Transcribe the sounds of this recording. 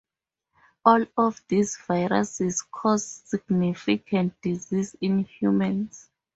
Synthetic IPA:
ɔlɔfdisvajɹa̰sizkʰɔzsiɡnifikʰãnt̚d̥izizĩnhjumãns

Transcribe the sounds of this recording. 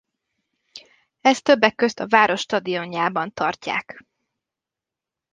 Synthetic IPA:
ɛst̪øbːɛkːø̞st̪ɒvaːɾo̞ʃːt̪ɒd̪ijo̞ɲjaːbɒnt̪ɒrca̰ːk

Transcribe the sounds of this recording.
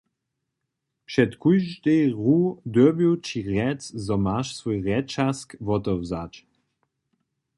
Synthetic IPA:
pʃɛtkujʒdeʁud̪øbjuwt͡ʃiʁɛt͡szɔmaʃsvojʁɛt͡ʃaskvɔtɔwzat͡ʃ

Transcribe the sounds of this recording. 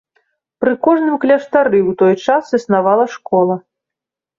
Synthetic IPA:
pɾɨkɔʐnɨmklʲɐʂt̪aɾɨwt̪ɔjt͡ʂasɨsnavalˠɐʂkɔlˠɐ

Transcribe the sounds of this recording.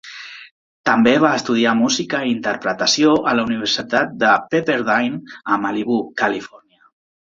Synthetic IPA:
t̪əmbeβ̞aəst̪uð̞iamuzikəint̪əɾpɾət̪əsjoʔələuniβ̞əɾsit̪at̪̚d̪əpepeɾðajnəmaliβukəlifɔrniə

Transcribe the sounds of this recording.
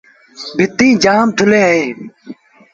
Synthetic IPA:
bʱɪt̪ːĩːd͡ʑaːmt̪ʰʊleːɦeː

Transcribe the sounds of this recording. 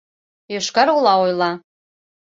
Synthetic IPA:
jøʃkɑɾulˠɑojlˠɑ

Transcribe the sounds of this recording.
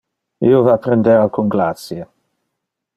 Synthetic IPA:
iːovapɾend̪evakʰunɡlat̪sje

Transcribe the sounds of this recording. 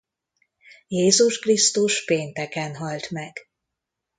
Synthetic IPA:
jeːzuʃkrist̪uʃpeːnt̪ɛkɛnɦɒlt̪mɛɡ̥

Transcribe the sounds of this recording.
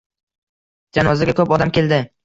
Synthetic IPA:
d͡ʒanɒzɪɡʲakʰɵpɒd̪amkʲe̞ld̪ɪ

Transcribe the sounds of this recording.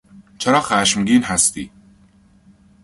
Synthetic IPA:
t͡ʃʰeɾɒːxæːʃmɡiːnɦæst̪ḭː

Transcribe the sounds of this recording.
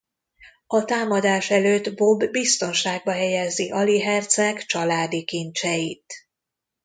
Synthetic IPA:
ɒt̪aːmɒd̪aːʃɛløːt̪bo̞bːist̪o̞nʃaːɡ̚bɒɦɛjɛziʔɒliɦɛrt̪sɛkt͡ʃɒlaːd̪ikint͡ʃɛjit̪

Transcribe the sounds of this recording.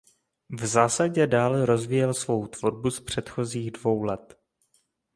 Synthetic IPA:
vzaːsaɟɛdaːlɛɾo̞zvijɛlsvo̞wt̪v̥oɾbuspr̝̥ɛt̪xo̞ziːɣdvo̞wlɛt̪

